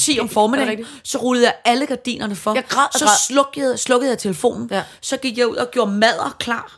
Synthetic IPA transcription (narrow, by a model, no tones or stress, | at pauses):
sʰḭɒmfɒːmensɒ̽ʁuləð̩ˠjɑ̈ɪæləɡ̥æd̥ḭːnʔɐnəfɒ̥̽sɒɔɡ̥ˠslɔ̽ɡ̥ð̩ˠjɪt͡sʰe̝ləfo̝̰ːnn̩sɒ̽ɡ̥iɡ̥jɑ̈ɪuð̰ˠɒ̽ɡ̥jo̝ɐmæð̰ˠɐkʰlɑ̰̈ː